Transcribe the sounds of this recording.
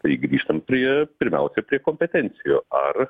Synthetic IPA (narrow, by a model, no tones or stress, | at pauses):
t̪ɐɪɡɾʲiːʃt̪ɐmpʲɾʲiɛpʲɪɾʲmʲɛ̰ʊsʲɛpʲɾʲiɛkoːmʲpʲɛt̪ʲɛnʲt̪sʲɪjoːɐr